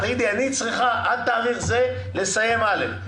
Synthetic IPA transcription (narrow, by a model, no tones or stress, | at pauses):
t̪aid̪ianit͡sʁiχaʔad̪̚t̪aːʁiχze | le̞saje̞malef